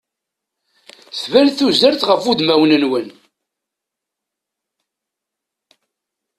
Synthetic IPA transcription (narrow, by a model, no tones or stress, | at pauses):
θvænθuzəɾθʁəfud̪mæwnənwən